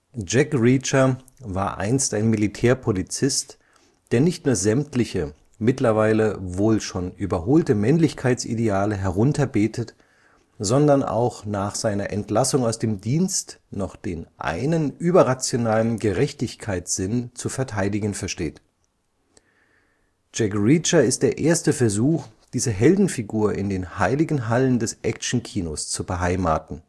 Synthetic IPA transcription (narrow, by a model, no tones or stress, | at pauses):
d͡ʒɛkʁiːt͡ʃɐ | vaːɐʔa̰ɪnstaɪnmilitʰɛːɐpʰolit͡sɪst | d̥eːɐnɪçtnuːɐzɛmtlɪçə | mɪtlɐvaɪləvoːlʃoːnʔyːbɐɦoːltəmɛnlɪçkʰaɪt͡sʔḭdeaːləɦɛʁʊntɐbeːtʰət | z̥ɔndɐnʔa̰ʊxnaːχz̥aɪnɐʔɛntlasʊŋaʊsd̥eːmdiːnstnɔχd̥eːnʔa̰ɪnənʔyːbɐʁat͡sjonaːlənɡəʁɛçtɪçkʰaɪtz̥ɪnt͡sufɛɐtʰaɪdɪɡn̩fɛɐʃteːt | d͡ʒ̥ɛkʁit͡ʃɐɪstd̥eːɐʔeːɐstəfɛɐzuːxd̥iːzəɦɛldn̩fiɡuːɐʔɪ̰ndeːnhaɪlɪɡn̩ɦaləndɛsʔɛkt͡ʃn̩kʰiːnost͡subəɦaɪmaːtn̩